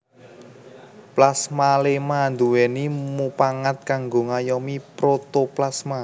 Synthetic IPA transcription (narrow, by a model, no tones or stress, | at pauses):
plasmalemand̪uwenimupaŋat̪̚kaŋɡoŋajɔmipɾot̪oplasma